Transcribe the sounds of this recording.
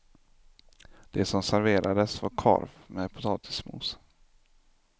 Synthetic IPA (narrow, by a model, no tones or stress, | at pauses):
d̪̥ɛsɔmsæɾveːɾʔad̪əsvɑɾkʰɔ̰ɾvmɛpʰʊt̪ʰɑːt̪ʰɪ̥smṵːs